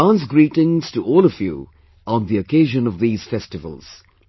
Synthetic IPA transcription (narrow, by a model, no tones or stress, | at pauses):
ãns̬ɡɹiːʈɪ̃ŋz̥tuʔɔːləvjṵ | ə̃nðiəkeɪʒə̃nʌvðiːz̥fɛstɨvə̰lˠz̥